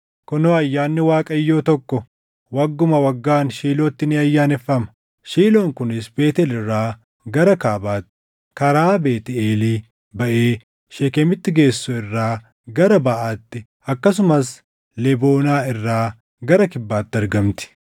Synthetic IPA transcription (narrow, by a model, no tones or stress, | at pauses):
kɔnoːɐjːaːnːɪwaːkʼɐjːo̞ːt̪ɔkːɔ | wɐɡːʊmɐwɐɡːaːnʃiːloːt̪ːɪnɪɐjːaːnɛfːɐmɐ̥ | ʃiːlo̞ːŋkʊnɪs̬be̞ːt̪ɛlɪrːaː | ɡɐɾɐkaːbaːt̪ːɪ̥ | kɐɾaːbeːt̪ɪeːliː | bɐʔeː | ʃekɛmɪt̪ːɪɡe̞ːsːʊɪrːaː | ɡɐɾɐbɐʔaːt̪ːɪ | ɐkːɐs̬ʊmɐs | lɛbo̞ːnaːɪrːaː | ɡɐɾɐkɪbːaːt̪ːɪɐɾɡɐmt̪ɪ̥